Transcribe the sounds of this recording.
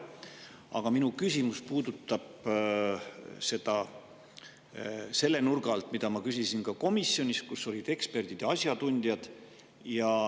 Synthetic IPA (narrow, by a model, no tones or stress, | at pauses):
ɑ̰ɡ̥ɑminukysʲimuspuːd̪ut̪ːˑɑb̥ | se̞d̪̥ɑ | se̞lːe̞nurɡ̥ɑlt̪ˑmid̪̥ɑmɑkysʲisinkɑko̞misːjo̞nʲiskusːo̞lʲid̪̥e̞kspe̞rd̪̥id̪jɑɑsjɑt̪unʲd̪jɑd̪̥ | jɑ